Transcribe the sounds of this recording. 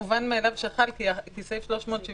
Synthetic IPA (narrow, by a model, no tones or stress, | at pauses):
vanmeːlavʃeχalkikisejfʃlo̞ʃmo̞ːt̪ʃi